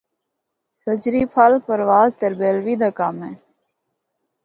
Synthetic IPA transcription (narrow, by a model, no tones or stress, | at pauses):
sət͡ʃɾiːpʰaːlpəɾʋaːzt̪əɾbeːlʋiːd̪aːkaːmẽː